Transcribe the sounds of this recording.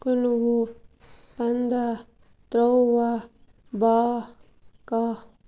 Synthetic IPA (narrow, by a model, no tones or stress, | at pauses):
kunwu | pand̪a | t̪ɾowwa | ba | ka